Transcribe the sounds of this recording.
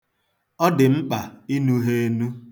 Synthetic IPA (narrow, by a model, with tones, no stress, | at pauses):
ɔ˦dɪ˨ŋ͡m̩˦k͡pa˨i˦nu˦ɦe˦e˦nu˦